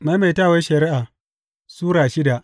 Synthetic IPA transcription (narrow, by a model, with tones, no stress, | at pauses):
ma˦jma˨jtaː˦˨we˦ʃɐ˨ɾɪ˦ʔa˨ | suː˦ɽaː˨ʃɪ˦da˨ʔ